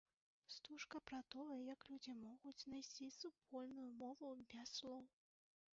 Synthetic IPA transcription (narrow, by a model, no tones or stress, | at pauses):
st̪uʂkɐpɾɐt̪ɔjɐjɐklʲud͡zʲimɔɣut͡sʲnajsʲt͡sʲisupɔlʲnujumɔvubʲaslˠɔw